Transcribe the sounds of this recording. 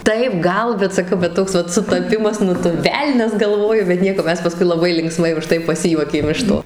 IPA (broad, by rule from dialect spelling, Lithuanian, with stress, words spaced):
ˈtɐɪp ˈɡɐlˠ bʲɛt sɐˈkɐʊ bʲɛt ˈtoːks ʋɐt sʊtɐˈpʲɪmɐs ˈnʊ tʊ ˈʋʲɛlʲnʲɛs ɡɐlˠˈʋoːjʊ bʲɛt ˈnʲiɛkoː ˈmʲɛs pɐˈskʊɪ lˠɐˈbɐɪ lʲɪŋkˈsmɐɪ ʊˈʃtɐɪ pɐˈsʲɪjuɔkʲeːm ɪʃ ˈtoː